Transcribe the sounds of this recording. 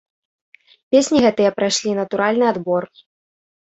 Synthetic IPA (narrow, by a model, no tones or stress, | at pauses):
pʲesʲnʲiɣɛt̪ɨjɛpɾajʂlʲinɐt̪uɾalʲnɨad̪bɔr